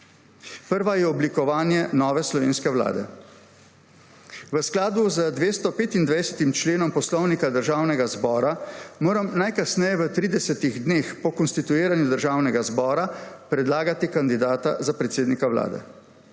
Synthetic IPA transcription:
pəɾʋajɛɔblikɔʋaːnjɛnɔːʋɛslɔʋḛːnskɛwla̰ːd̪ɛ̰ | ʋəsklaːd̪uzəd̪ʋeːst̪ɔpeːt̪ind̪ʋajsɛ̥t̪imt͡ʃleːnɔmpɔslɔwnikad̪əɾʒaːwnɛɡazbɔːɾamoːɾamnajkasnɛjɛʋət̪ɾiːd̪ɛsɛt̪iɣd̪neːxpɔkɔnst̪it̪ueːɾanjud̪əɾʒaːwnɛɡazbɔːɾapɾɛd̪laːɡat̪ikand̪id̪aːt̪azapɾɛt̪seːd̪nikawla̰ːd̪ɛ̰

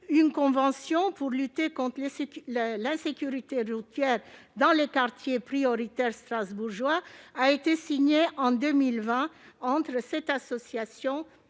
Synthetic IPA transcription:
ynkɔ̃vɑ̃sjɔ̃puʁlyt̪ekɔ̃t̪χl | lɛ̃sekʲyʁit̪eʁut̪jɛʁd̪ɑ̃lekaʁt̪jepχiɔʁit̪ɛʁst̪χazbuʁʒwaaet̪esiɲeʔɑ̃d̪ømilvɛ̃ | ɑ̃t̪χəsɛt̪asɔsjasjɔ̃

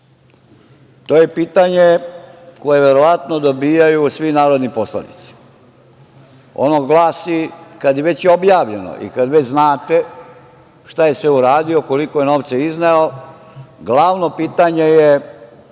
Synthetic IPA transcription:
t̪o̞ːje̞piːt̪aɲeko̞je̞ʋe̞ɾo̞ʋat̪no̞d̪o̞biːjajusʋinaːɾo̞d̪nipo̞slˠa̰nḭt̪si̥ | o̰noɡlˠaːsikad̪jeʋet͡ɕjeobjaːʋʎe̞no̰ʔḭkad̪ʋet͡ɕznaːt̪e | ʃt̪aje̞sʋeuɾaːd̪io̞ko̞liko̞jenoːʋt̪seizneo | ɡlaʋno̞piːt̪aɲeje

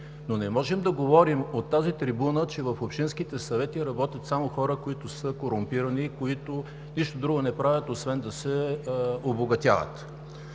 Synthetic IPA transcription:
nonɛmɔʒɛmd̪ɐɡovɔɾimot̪ːazit̪ɾibunət͡ʃɛvɐfopʃt̪inskit̪ɛsɐvɛt̪iɾɐbɔt̪ʲjət̪samoxɔɾəkoit̪ʊsɤkoɾʊmpiɾɐnikoit̪ʊ | niʃt̪od̪ɾuɡʊnɛpɾavʲət̪osvɛnd̪ɐsɛ | oboɡɐt̪ʲja̰və̰t̪

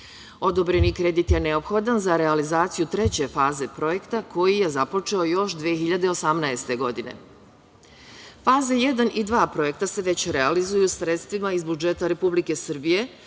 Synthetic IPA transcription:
o̞d̪o̞bɾe̞nikɾe̞d̪it̪je̞ne̞o̞pxo̞d̪anzaɾe̞alizaːt̪sijut̪ɾe̞t͡ɕe̞faːze̞pɾo̞je̞kt̪akʰo̞jije̞zapo̞t͡ʃe̞o̞jo̞ʃd̪ʋieçiʎad̪e̞o̞samnaest̪e̞ɡo̞d̪ine̞̰ | faːzaje̞d̪anid̪ʋaːpɾo̞je̞k̚t̪ase̞ʋe̞t͡ɕɾealizujusɾe̞t̪st̪ʋimaizbud͡ʒe̞t̪aɾe̞publike̞sr̩bije̞

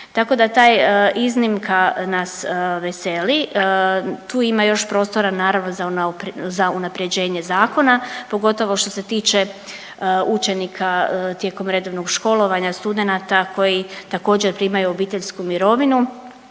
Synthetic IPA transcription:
t̪ako̞d̪at̪aːjiznimkanasʋese̞li | t̪uːimajo̞ʃpɾo̞ːst̪oɾanaːɾaʋno̞zapzaunapɾed͡ʑe̞ːɲe̞zaːko̞napo̞ɡo̞t̪o̞ʋo̞ʃt̪o̞se̞t̪iːt͡ʃe | ut͡ʃe̞nikʰat̪je̞ːko̞mɾe̞d̪o̞ʋnoɡʃko̞lˠo̞ʋaɲast̪ud̪e̞nat̪ako̞jit̪ako̞ːd͡ʑeɾpɾiːmajuobiːt̪e̞ʎskumiɾo̞ʋinu

